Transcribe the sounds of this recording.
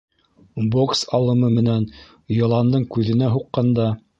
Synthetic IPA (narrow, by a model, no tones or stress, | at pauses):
boksɑlˠɤ̆mɤmɘ̆næn | jŏlˠɑnd̪ɤɴkʉðɘ̆næɦuqːɑnd̪ɑ